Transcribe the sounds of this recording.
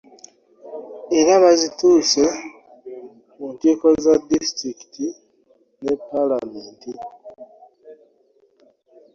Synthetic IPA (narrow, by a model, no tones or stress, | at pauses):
eɾaβazituːse | munteːkozadistɾiki̥ti | nepːalameːnti